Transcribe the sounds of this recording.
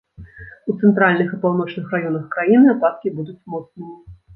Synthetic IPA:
ut̪sɛnt̪ɾalʲnɨxipawnɔt͡ʂnɨxrajɔnɐxkɾajinɨapat̪̚kʲibud̪ut͡sʲmɔt̪snɨmʲi

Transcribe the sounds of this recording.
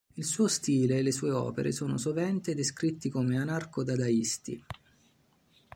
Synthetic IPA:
ilsuːost̪iːleːlːesuːeɔ̰ːpḛɾʔḛsoːno̰sovɛnt̪ed̪eskɾit̪ːikomeanarkod̪ad̪aist̪ḭ

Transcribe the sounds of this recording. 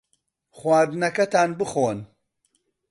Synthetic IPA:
χwaːɾd̪ɨnɐkɐt̪aːnbɨχoːn

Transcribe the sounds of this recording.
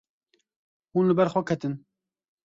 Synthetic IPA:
huːnlɨbɛɾxʷɛkʰɛt̪ɨn

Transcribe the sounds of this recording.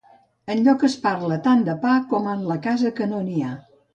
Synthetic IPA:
ənʎɔkəspaɾlət̪and̪əpakɔmənləkazəkənonia

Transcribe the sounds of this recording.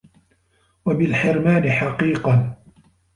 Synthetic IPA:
wabɪlħɪɾmaːnɪħɑqiːqɑn

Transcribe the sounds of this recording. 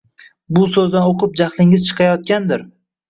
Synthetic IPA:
bʊsɵzd̪anoqʰɨp̚d͡ʒaχlˠɪŋɪzt͡ʃʰɨ̥qʰɑjɒt̪̚kʲand̪ɪɾ

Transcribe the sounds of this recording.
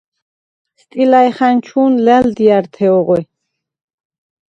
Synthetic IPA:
st̪ʼilaɛχant͡ʃʰuːnlɛld̪iaɾt̪ʰɛɔʁwɛ

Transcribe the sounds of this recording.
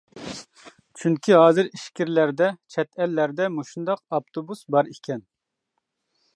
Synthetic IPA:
t͡ʃʰyŋkʲʰiɦɑːzɨɾiʃkʲiɾlæɾd̪ɛt͡ʃʰɛt̪ʰɛlːæɾd̪ɛmuʃund̪ɑqɑp̚t̪ʰobusbɑɾikʲʰɛn

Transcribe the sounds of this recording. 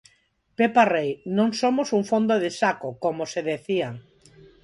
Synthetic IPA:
peparejnõŋsomosuŋfond̪oðesakokomoseðeθia

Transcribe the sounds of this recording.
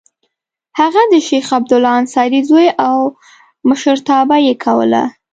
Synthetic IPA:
haɣad̪əʃexab̚d̪ʊlɑːnsɑɾizojʔaw | məʃəɾt̪ɑbajekʰawə̰la̰

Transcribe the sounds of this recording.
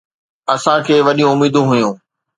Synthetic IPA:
ɐsãkʰeːʋɐɗijũʊmiːd̪ũɦʊjũː

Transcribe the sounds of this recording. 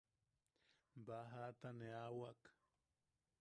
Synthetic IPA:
baɦat̪aneawak

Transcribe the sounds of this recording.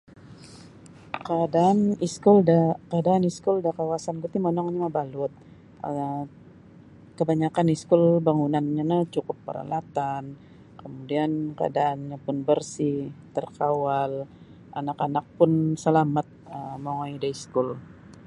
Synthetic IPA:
kadaːniskʊldakadaːniskʊldakawasankit̪imonɔŋɲamabalʊt̪̚ | ʔə | kəbaɲakaniskʊlbaŋunanɲanat͡ʃukʊpːə̰ɾa̰lat̪an | kəmudiankaadaʔːnɲapʊnbərsit̪ərkawal | ʔanakanak̚pʊnsəlamat̪̚əmoŋaidaiskʊl

